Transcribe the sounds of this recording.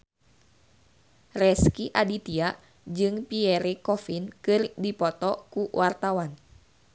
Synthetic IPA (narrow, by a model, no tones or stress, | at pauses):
rɛskiʔadit̪iaʔ | d͡ʒɨŋpiɛɾekɔfinkɨrdipɔt̪ɔkuwʔart̪awan